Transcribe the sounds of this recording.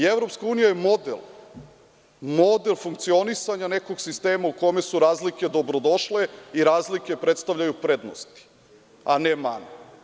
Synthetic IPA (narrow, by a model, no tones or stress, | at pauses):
evɾo̞pskauːnijajemo̞d̪ḛlˠ | mo̞d̪elˠfuŋkt̪sio̞nisaɲaneko̞ɡsist̪e̞ːmauko̞me̞suɾaːzlike̞d̪o̞bɾod̪o̞ʃle̞iɾaːzlike̞pɾet̪st̪aʋʎʲajupɾe̞d̪no̰st̪i̥ | anema̰no